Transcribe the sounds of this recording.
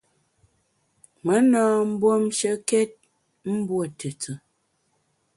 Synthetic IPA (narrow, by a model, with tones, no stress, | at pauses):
mə˨˦nɔ̃ː˦m̩˦bwo˦mʃə˦kɛ˦t̚ | m̩˦bwə˨tʰə˨t͡sə˨